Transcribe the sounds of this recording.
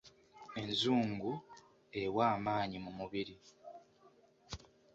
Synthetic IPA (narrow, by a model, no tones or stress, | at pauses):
e̞nzuːŋɡu | e̞waːmaːɲimumuβiɾi